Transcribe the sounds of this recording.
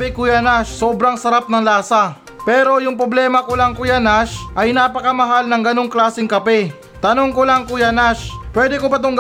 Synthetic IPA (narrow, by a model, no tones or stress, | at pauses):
ɛkʊjanaʃsoːbɾɐŋsɐɾap̚nɐŋlaːsa | pɛːɾo̞jʊŋpɾoblɛːmɐkʊlaŋkʊjanaʃʔɐjnapɐkɐmɐɦalnɐŋɡɐno̞ŋklaːsɪŋkɐpɛ | t̪ɐno̞ŋkʊlaŋkʊjanaʃpwɛːd̪ɛkobɐt̪oŋɡ